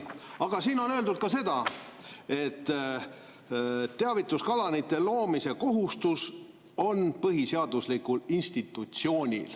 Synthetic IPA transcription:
ɑɡ̥ɑsiːno̞nøld̪ud̪̥̚kɑse̞d̪̥ɑ | e̞t̪ː | eɑvit̪ːˑuskɑlɑnit̪ːˑe̞lo̞ːmise̞ko̞ɦust̪us | o̞npɤɦiseɑd̪̥uslikulinst̪it̪ːˑut̪sio̞ːnʲḭl

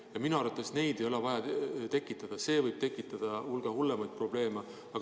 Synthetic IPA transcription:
jɑminuɑɾvɑt̪ːˑesne̞jd̪e̞jo̞le̞vɑjɑt̪e̞kːˑit̪ːˑɑd̪̥ɑse̞ːvɤjb̥̚t̪e̞kːˑit̪ːˑɑd̪̥ɑulɡ̥ehulːemɑjd̪̥̚pro̞ble̞ːme | ɑɡ

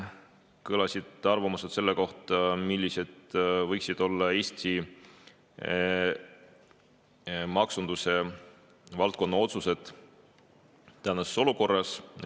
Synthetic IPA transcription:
kɤlɑsʲid̪̥ɑrvɑmuset̪se̞lːeko̞ht̪ɑmilʲːise̞d̪̥vɤjksid̪̥o̞lːɑe̞ːsʲt̪i | mɑksund̪̥use̞ | vɑlt̪̚ko̞nːɑo̞t̪suse̞d̪̥ | t̪æːnːɑseso̞luko̞rːɑs

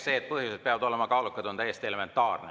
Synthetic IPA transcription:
se̞ːt̪̚pɤɦjused̪peɑvɑd̪o̞lemɑkɑːlukːˑɑd̪̥o̞nt̪æjːest̪ie̞le̞me̞nt̪ːˑɑːrne

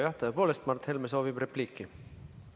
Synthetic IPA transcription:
jɑht̪ɑðepo̞ːlest̪mɑrt̪helmeso̞ːvibre̞pliːkːˑi

